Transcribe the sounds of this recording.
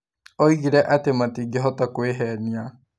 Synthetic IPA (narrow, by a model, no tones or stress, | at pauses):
oiɣiɾɛʔatematiːɡeɦɔtakweɦɛnia